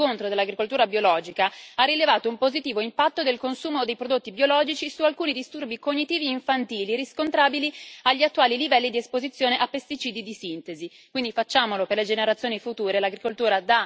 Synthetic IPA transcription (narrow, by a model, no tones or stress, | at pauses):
ont̪ɾod̪elːaɡɾikolt̪uːɾabjolɔːd͡ʒikaarːilevaːt̪oumpozit̪iːvoimpat̪ːod̪elkonsuːmod̪ejpɾod̪ot̪ːibjolɔːd͡ʒit͡ʃisualkuːnid̪ist̪urbikoɲːit̪iːvieiɱfant̪iːliɾiskont̪ɾaːbiliaʎːiat̪ːuaːlilivɛlːid̪iespozit̪sːjoːneʔapːest̪it͡ʃiːd̪id̪isint̪ezi | kwind̪ifat͡ʃːaːmoloperled͡ʒeneɾat̪sːjoːnifut̪uːɾelaɡɾikolt̪uːɾad̪a